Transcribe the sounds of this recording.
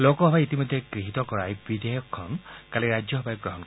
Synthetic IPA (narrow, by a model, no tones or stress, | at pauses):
lokɔɦɔbait̪imɔd̪ʱːekɹiɦit̪ɔkɔɹajbid̪ejɔkʰːɔnkaliɹajd͡ʒjɔɦɔbʱajɔk̚ɡɹɔɦɔnkɔ